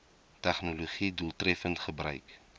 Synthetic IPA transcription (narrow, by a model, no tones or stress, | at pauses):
tɛχnuloχiduːlˠtrɛfəntχəbrœɥk